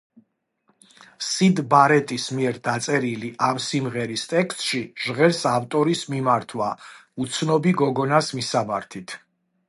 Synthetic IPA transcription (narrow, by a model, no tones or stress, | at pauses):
sid̪baɾɛt̪ʼismiɛɾd̪at̪sʼɛɾiliʔamsimʁɛɾist̪ʼɛkst̪ʼʃiʒ̥ʁɛɾsaft̪ʼɔɾismimaɾt̪ʰwaut̪sʰnɔbiɡɔɡɔnasmisamaɾt̪ʰit̪ʰ